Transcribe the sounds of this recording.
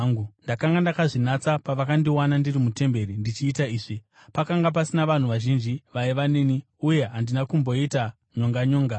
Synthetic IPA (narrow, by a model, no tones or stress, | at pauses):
undakaŋɡandakaʐinat͡sapaʋakandiwanandirimute̞mbe̞ɾindit͡ʃiːtaiːʐi | pakaŋɡap̬asinaʋan̤uʋaʒind͡ʒiʋaeʋaneːni | uje̞ɦandinakumbo̞ita | ɲo̞ŋɡaɲoːŋɡa